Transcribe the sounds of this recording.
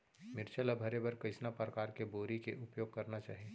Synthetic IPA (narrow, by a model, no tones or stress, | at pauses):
mɪɾt͡ʃəlabʱɐɾebɐɾkɐɪsnapɾɐkaːɾkeboːɾikeʔʊpjoːɡ̚kɐɾnat͡ʃa̰ːɦieː